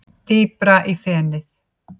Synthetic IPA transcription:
t̪iːpɾaʔifɛːnɪθ

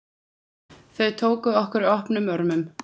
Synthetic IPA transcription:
θœɥt̪ʰoːwkʏɔhkʏɾɔhpnʏmœɾmʏm

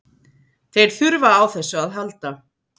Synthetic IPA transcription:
θejɾ̥θʏɾvaːwθɛsːʏaðɦalt̪a

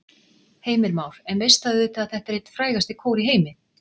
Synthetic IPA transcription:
heːjmɪɾmaːwɾ̥ɛnvejst̪aðʏːt̪aðθɛht̪aɛɾejt̪fɾaːjɣast̪ɪkʰoːwɾiɦeːjmɪ

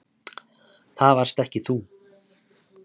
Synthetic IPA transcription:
θaðvaɾ̥st̪ɛhcɪθu

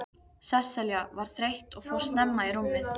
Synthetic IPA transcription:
sɛsɛljavaɾ̥θɾejht̪ɔɣfowɾ̥st̪nɛmːaiɾumːɪθ

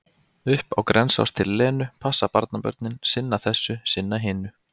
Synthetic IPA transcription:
ʏhpawkɾʔɛnsa̰wst̪ʰɪlːɛːnʏpʰasːapaɾt̪napœ̰ɾt̪nɪnsɪnːaθɛsːʏsɪnːaɦɪːnʏ

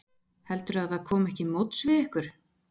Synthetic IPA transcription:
hɛlt̪ʏɾaðθaðkʰɔːmɛhcɪmowt̪svɪðɪhkʏɾ̥

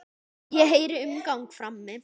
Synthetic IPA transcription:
jɛɦeːjɾɪʏmkawŋkfɾamːɛ

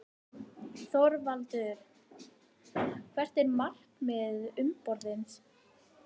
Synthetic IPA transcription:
θɔɾvalt̪ʏɾ | kʰvɛr̥t̪ɛɾmar̥kmɪðʏmpɔɾðɪns

